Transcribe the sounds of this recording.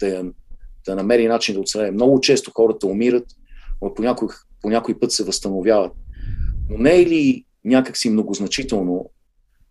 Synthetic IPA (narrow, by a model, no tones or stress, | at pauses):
d̪̥ɐjɐd̪̥ɐnɐmɛɾinat͡ʃind̪ɐot̪st̪ɾavɛmnɔɡʊt͡ʃɛst̪oxɔɾət̪ɐomiɾət̪ | ponʲakʊ | ponʲakoipɤt̪sɛvəst̪ɐnovjavət̪̚nonɛli | nʲakəksimnoɡoznɐt͡ʃit̪ɛlˠno